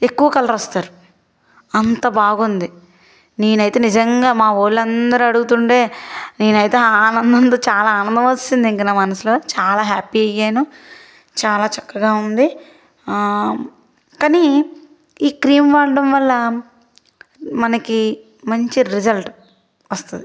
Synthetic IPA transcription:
e̞kːuʋɐkɐlɐɾɐst̪aːɾu | ɐnt̪ɐbaːɡund̪i | ne̞ːnɐjt̪e̞ːnid͡ʒɐŋɡaːmaːʋoːlːɐnd̪ɐɾuɐɽuɡut̪uɳʈe̞ːne̞ːnɐjt̪e̞ːaːnɐnd̪ɐnt̪oːt͡ʃaːlaːaːnɐnd̪ɐmɐsind̪iŋkinaːmɐnɐsiloːt͡ʃaːlaːɦaːpiɐjːeːnu | t͡ʃaːlaːt͡ʃɐkːɐɡaːund̪i | kaːni | iːkɾiːmʋaːɾɖɐmʋɐlːɐ | mɐnɐki | mɐɲt͡ʃiɾid͡ʒɐlʈ | ʋɐst̪und̪i

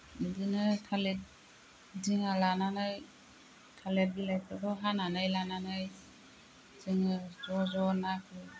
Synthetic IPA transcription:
nidinɯtʰalet̚ | diŋalananɯj | tʰaleilajkʰɯdɔɦananajlananɯj | zɯŋɯzɔzɔnakʰɯ

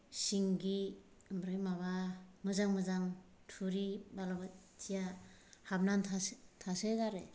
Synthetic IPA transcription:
siŋɡi | bɾɯjmaβamɯzaŋmɯzaŋ | tʰuɾibalabatija | hap̚nantʰatʰaseɡaɾe

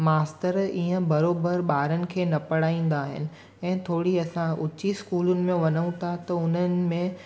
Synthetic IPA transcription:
maːstəɾiːə̃bɐɾoːbəɾɓaːɾənɪ̆kʰeːnɐpɐɽ̤aːĩːn̆d̪aːɦɪ̰nɪ̆ | ɛ̃ːt̪ʰoːɽiɐsãʊt͡ɕiskuːlʊnɪ̆mẽʋɐnəũt̪ʰat̪ɐʊn̤ənɪ̆mẽ

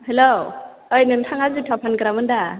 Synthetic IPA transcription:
helo | ɔjnɯntʰaŋazɯtʰapʰankɯɾamɯnda

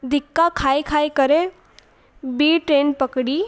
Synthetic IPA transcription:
d̪ʱɪkːakʰaːikʰaːikəɾẽ | biːʈɾeːnpəkɽiː

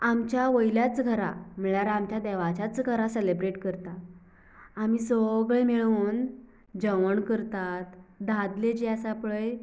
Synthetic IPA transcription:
amt͡ɕjaʋəjljat͡sɡʱəɾa̰miɭaɾamt͡ɕjad̪ɛʋat͡ɕat͡sɡʱəɾaselebɾeʈkəɾt̪aː | miːsəɡɭemiɭuːn | d͡ʑəʋəɳkəɾt̪at̪d̪ʱad̪led͡ʑeasapɭəj

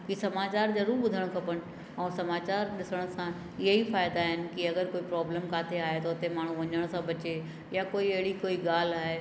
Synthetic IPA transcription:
kisɐmaːt͡ɕaːɾzɐɾuːɾbʊd̪ʱəɽ̃kʰɐpəɽ̃ | ɛ̃ːsɐmaːt͡ɕaːɾɗɪsəɽ̃sã | ɪɦeifaːɪd̪aɦɪnɪ̆kiɐɡəɾkoːipɾɔːbleːmkaːt̪ʰeaːɦet̪oʊt̪emaːɳ̤ũʋɐɲəɽ̃sãbɐt͡ɕe | jakoːiɐɦɪɽikoːiɡaːl̤aːɦe

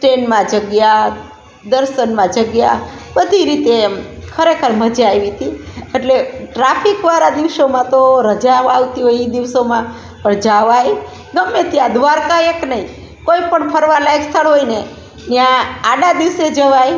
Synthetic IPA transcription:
sʈenmãd͡ʒəɡja | d̪əɾʃənmãd͡ʒəɡja | bəd̪ʱiɾit̪ekʰəɾekʰəɾməd͡ʒajʋit̪ieʈleʈɾafʰikʋaɾad̪iʋʃomãt̪oɾəd͡ʒaʋaʋt̪iɦoiid̪iʋsomã | pəɳd͡ʒaʋaj | ɡəmːet̪jad̪ʋaɾkaeknəĩ | koipəɳpʰəɾʋalaekst̪ʰəɽɦoine | njãːɖad̪iʋsed͡ʒəʋaj

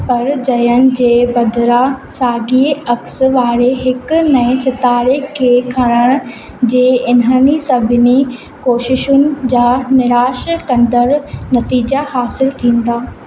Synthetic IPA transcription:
pɐɾd͡ʑɐjəɽ̃̆d͡ʑeːbɐd̪ɾasaːɡiɐksʋaːɾeɦɪknɐ̃ɪ̃sɪt̪aːɾekʰːeːkʰɐɽ̃əɽ̃ | d͡ʑeːɪnənisɐbʱɪni | koːʃɪʃʊnɪ̆d͡ʑaːnɪɾaːʃkɐ̃nd̪əɾnɐt̪iːd͡ʑahaːsɪlt̪ʰĩːn̆d̪aː

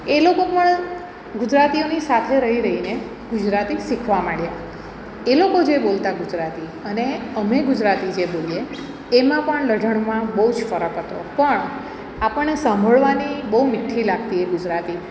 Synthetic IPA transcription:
elokopəɳ | ɡʊd͡ʒɾat̪ionisat̪ʰeɾəɦiɾəɦine | ɡʊd͡ʒɾat̪isikʰʋamaɽja | elokod͡ʒebolt̪aɡʊd͡ʒɾat̪i | əneəmeɡʊd͡ʒɾat̪id͡ʒebolijeː | mãpəɳləɖʱəɳmãbəɦud͡ʒfəɾəkɦət̪o̰pəɳ | apəɳːesə̃mbʱəɭʋanibəɦumɪʈʰːilaɡ̚t̪ieɡʊd͡ʒɾat̪i

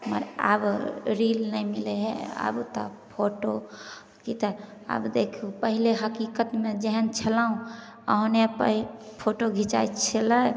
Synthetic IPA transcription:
mə̰ɾa̰bɾilnəjmileɦea̰bt̪ɔ̰pʰoʈo | kit̪ɔ | a̰bd̪ekʰupəɦileɦəkikət̪med͡ʒeɦənt͡ʃʰəlaũ | ə̰ɦnepəpʰoʈoɡʱit͡ʃa̰jt͡ʃʰelə

